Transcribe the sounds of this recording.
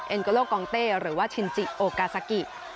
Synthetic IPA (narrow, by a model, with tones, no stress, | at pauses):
ʔe˧nkə˧˦loː˥˩kɔː˧ŋt̪eː˥˩ɾɯː˩˦waː˥˩t͡ɕʰi˧˩nt͡ɕi˨˩ʔoː˧kaː˧sa˧ki˨˩t̪̚